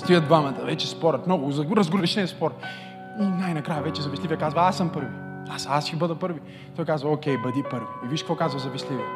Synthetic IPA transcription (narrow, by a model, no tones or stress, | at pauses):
st̪ujəd̪d̪vamɐt̪ɐvɛt͡ʃɛspɔɾɐt̪mnɔɡʊzɐɾɐzɡuɾɛʃnɛspɔɾɐ | onajnɐkɾajɐvɛt͡ʃɛzɐvislʲivjɛkazvɐasːɐmpɤɾvi | asasxʲibəd̪ɐpɤɾvi | t̪ɔjkazvɐokʲɛjbɾɐd̪ipɤɾvoiviʃkəkvɔkazvɐzɐvislʲivʲɛ